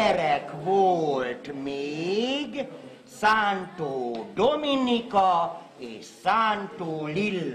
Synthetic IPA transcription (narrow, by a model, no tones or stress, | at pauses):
ɛɾɛkʋoːlt̪meːɡ | saːnt̪oːd̪ominikɔ | eːʃsaːnt̪oːlilː